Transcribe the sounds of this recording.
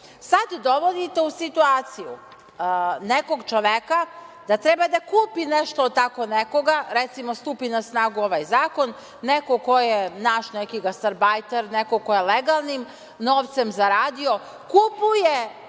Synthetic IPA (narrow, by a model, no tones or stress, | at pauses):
sad̪d̪oʋod̪it̪e̞usit̪uaːt̪sijṵ | neko̞ɡt͡ʃoʋekad̪̥at̪ɾebad̪akuːpineʃt̪oːt̪ako̞neko̞ɡaɾet̪simost̪uːpinasnaːɡuoʋajzaːko̞nː | ekokojenaːʃnekiɡast̪aɾbajt̪eɾnekokojeleɡalˠnim | noːʋt̪semzaɾaːd̪io̞ | kupuje